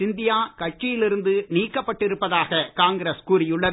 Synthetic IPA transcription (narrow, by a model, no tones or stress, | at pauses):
ɪnd̪ɪjaːkɐʈ̚t͡ʃːɪjɪlɪɾɯnd̪ɯniːkːɐpːɐʈːɪɾɯpːɐðaːɣɐkaːŋɡɪɾeskuːɾɪjɯɭːɐ